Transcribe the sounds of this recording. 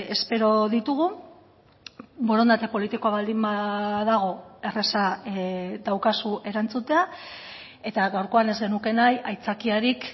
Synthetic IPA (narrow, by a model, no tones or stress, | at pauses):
e̞spe̞ɾo̞ðit̪uɣ̞u | boɾo̞nd̪at̪e̞po̞lit̪ikoaβald̪imbaðaɣ̞o̞e̞re̞sa | d̪awkasuʔe̞ɾant͡sut̪e̞a | e̞t̪aɣawɾko̞ane̞zɡe̞nuke̞najajt͡sakiaɾik